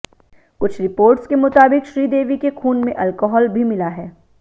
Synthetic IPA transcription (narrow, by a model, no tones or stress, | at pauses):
kʊt͡ʃʰɾɪpoːɾʈskemʊt̪aːbɪkʃɾiːd̪eːʋikexʰuːnmẽʔɐlkɔːɦɔːlbʱimɪlaɦɛː